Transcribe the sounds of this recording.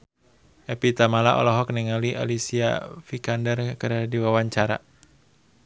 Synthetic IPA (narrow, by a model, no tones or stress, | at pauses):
ʔɛpit̪amalaʔɔ̰lɔɦɔk̚nɛŋaliʔa̰lisia̰fikandərkəɾadiwawaɲt͡ʃaɾa̰